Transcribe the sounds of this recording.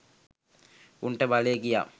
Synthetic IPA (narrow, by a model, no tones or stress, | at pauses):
uɳʈəbaleɡija̰